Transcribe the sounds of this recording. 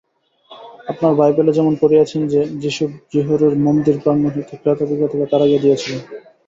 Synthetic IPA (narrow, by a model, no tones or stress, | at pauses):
apnaɾbajbeled͡ʑɛmonpoɾeat͡ɕʰend͡ʑed͡ʑiʃubd͡ʑiɦoɾoɾmomd̪iɾpɾanːoɦet̪ʰekɾat̪obikat̪ʰeket̪aɾaɡed̪ijet͡ɕʰilen